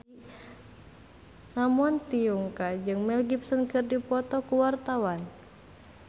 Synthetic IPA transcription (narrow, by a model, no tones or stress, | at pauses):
ŋamɔnt̪iuŋkad͡ʒɨŋmɛlɡipsɔnkɨrdipɔt̪ɔkuwart̪awan